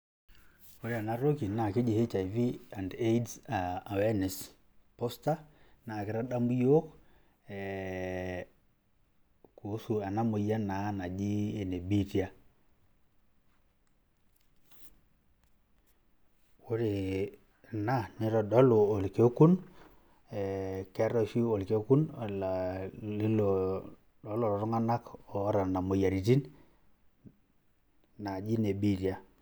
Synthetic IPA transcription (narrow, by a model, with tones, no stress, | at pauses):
o˨ɾe˦a˨na˦ɾo˦ki˨na˨kɪ˦d͡ʒi˨he˦t͡ʃa˨jvi˦a˨nde˦jdsaa˨wɛ˦nɛ˨s | pɔ˦sta˦na˨kɪ˨˦ɾa˦ɗa˦mbu˦jo˦k | ɛ | ko˨˦su˨a˨na˦mo˨ja˦na˨˦na˨d͡ʒi˦e˨ne˨bi˦tja˦ | wo˦ɾe˨ | na˦ni˨ɾɔ˨dɔ˦lʊ˨o˨lke˦ku˦n | ɛ˨kɛ˦ɾɔ˦˨ʃi˦o˨lke˦ku˦n˨la˨li˦lo˨ | dɔ˨˦lɔ˨ɾɔ˨ɾɔ˦ŋa˦na˦kɔ˨˦ɾa˨na˨mo˨ja˨ɾi˨ti˦n | na˨d͡ʒi˦ne˨bi˦tja˦